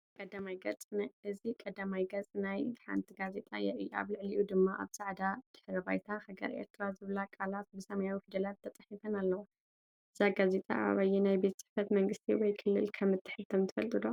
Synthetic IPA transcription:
kʼɐd̪amajɡɐt͡sʼnʔɨzikʼɐd̪amajɡɐt͡sʼnajħa̰nt̪ʰiɡaze̞t̪ʼa̰jɛʕia̰βlɨʕliʔud̪ɨmːaʔa̰βsaʕd̪ad̪̥ɨ̥ħɾɐbajt̪ʰahaɡɐ̰ɾʔḛɾt̪ʰɾazɨβlakʼalat̪̚bɨsɐmɐjawifid̪ɐlat̪ʰːɐt̪ʼɐħifɐnalːɐwo | ɨz̥aɡaze̞t̪ʼa̰ʔa̰βɐjːɛnajbet̪sɨ̥ħfɐt̪mɐŋɡɨst̪ʰḭwɔjkʰɨlːɨ̰lkʰɐmːɨt̪ʰːɨ̥ħɨt̪ʰɐmt̪ʰɨfɐlt̪ʼɨd̪o

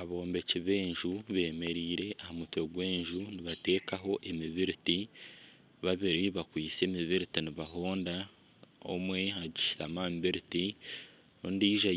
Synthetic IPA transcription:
aβo̞ːmbe̞ciβe̞ːɲʒuβe̞ːme̞ɾiːɾe̞ʔahamutwe̞ɡwe̞ːɲʒuniβate̞ːkaɦo̞ʔe̞miβiɾiti | βaβiɾiβakwiːt͡se̞ːmiβiɾitiniβaɦo̞ːnda | o̰mwe̞haɟiʃi̥tamamβiɾiti | ondiːʒa

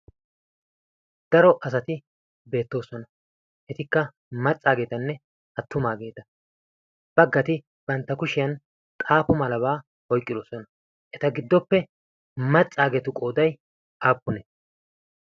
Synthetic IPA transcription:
d̪̥ɐɾɔʔɐs̬ɐt̪ɪ | be̞ːt̪ːo̞ːsɔnɐ | ʔɛt̪ɪkːɐ | mɐt͡sʼːaːɡe̞ːt̪ɐnːɛ | ʔɐt̪ːʊmaːɡe̞ːt̪ɐ | b̥ɐɡːɐt̪ɪ | b̥ɐnt̪ːɐkʊʃɪjɐn | t̪ʼaːpʊmɐlɐβaː | hɔjkʼːɪd̪oːsɔnɐ | ʔɛt̪ɐɡɪd̪ːɔpːɛ | mɐt͡sʼːaːɡet̪ʊkʼo̞ːd̪ɐj | ʔaːpʼːʊnɛ

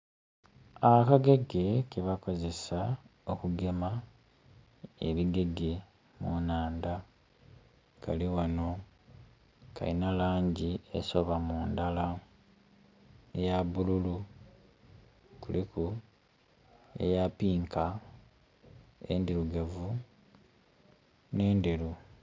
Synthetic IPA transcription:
akaɡe̞ɡe̞keβako̞ze̞saokuɡe̞ma | ḛβiɡe̞ɡe̞ | munaːnda | ka̰liwano̞ | ka̰inalaːɲɟiḛso̞βamuːndala | ejaβululu | kuliku | e̞̰japiːŋka | ḛndiɾuɡavu | ne̞ːnde̞ɾu

